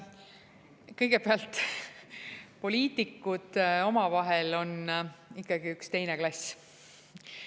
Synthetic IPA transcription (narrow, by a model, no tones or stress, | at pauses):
kɤjɡ̥e̞peɑlt̪ | po̞lʲiːt̪ˑikːud̪̥o̞mɑvɑɦelo̞nikːɑɡiykst̪e̞jneklɑsʲ